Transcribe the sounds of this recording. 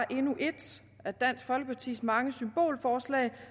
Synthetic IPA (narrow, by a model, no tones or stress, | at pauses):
ʔe̝nuʔe̝d̥ | æd̥æn̰sɡ̥fɒ̽lɡ̥əpʰɑ̈t͡sʰḭːsmɑ̈ŋəsymb̥o̝̰ːlfɒːslɛ̰ːɪ